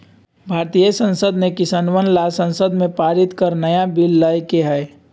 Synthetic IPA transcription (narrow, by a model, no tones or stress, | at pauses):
bʱaːɾt̪ijəsə̃nsəd̪nekɪsaːnʋənlasə̃nsəd̪mẽpaːɾɪt̪kəɾnəjabilːəjkeɦɛː